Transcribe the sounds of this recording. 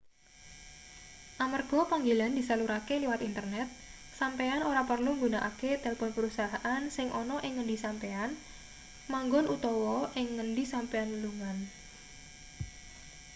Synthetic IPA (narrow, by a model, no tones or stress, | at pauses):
ʔamarɡ̥ɔ̤paŋɡeland̪isaluɾakeliwat̪int̪ərnɛt̪̚ | sampeanoɾapərluŋɡunaʔaket̪elpɔnpəɾusaɦaʔansɪŋʔɔnɔʔɪŋːəɳdisampean | maŋɡɔnʔut̪ɔwɔʔɪŋːənɖisampeanluŋan